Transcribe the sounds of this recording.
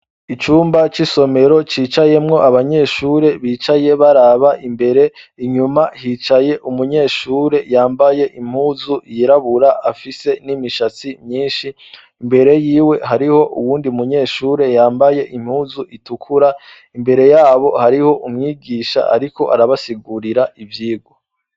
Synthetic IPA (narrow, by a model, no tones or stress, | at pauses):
it͡ʃuːmbat͡ʃiso̞me̞ɾo̞t͡ʃiːt͡ʃaje̞mŋo̞ʔaβaɲe̞ʃuːɾe̞βiːt͡ʃaje̞βaɾaβaʔimbe̞ɾe̞iɲumahiːt͡ʃaje̞ʔumuɲe̞ːʃuːɾe̞jaːmbaje̞ʔim̥huːzujiɾaβuɾaʔafise̞nimiʃat͡simɲiːnʃiː | mbe̞ɾe̞jiːwe̞ɦaɾiho̞ʔuwuːndiumuɲe̞ːʃuːɾe̞jaːmbaje̞ʔim̥huːzuʔitukʰuɾa | imbe̞ɾe̞jaːβo̞haɾiho̞ʔumŋiːɡiʃa̰ʔa̰ɾiko̞̰ʔa̰ɾaβasiɡuɾiɾaʔivjiːɡwo